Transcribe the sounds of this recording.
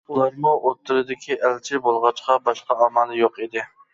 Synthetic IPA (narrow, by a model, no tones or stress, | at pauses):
ulˠɑɾmʊʔot̪ːɪlɨd̪ɪkʲʰiʔælt͡ʃʰɪbolˠʁɑt͡ʃqʰɑbɑʃqɑɑmɑlˠjoqed̪ɪ